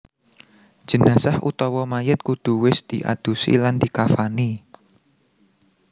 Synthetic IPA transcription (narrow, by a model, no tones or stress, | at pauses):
d͡ʒ̥ə̤nasahʔṵt̪ɔwɔmajət̪̚kud̪̥ṳwɪsd̪̥iʔa̰d̪̥usḭland̪̥ikafani